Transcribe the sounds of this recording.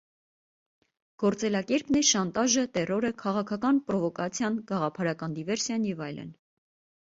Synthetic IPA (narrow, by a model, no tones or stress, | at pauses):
ɡ̥ɔɾt͡sɛlɑkɛɾpnɛʃɑnt̪ɑʒət̪ɛrɔɾəkʰɑʁɑkʰɑkɑnpɾɔvɔkɑt͡sʰjɑnɡ̥ɑʁɑpʰɑɾɑkɑnd̪ivɛɾsjɑnjɛvɑjlə̰n